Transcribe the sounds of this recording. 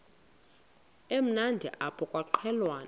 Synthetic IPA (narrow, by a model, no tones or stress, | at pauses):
em̩nandʱḭʔapʰɔkʼwaǃʰɛlwaːn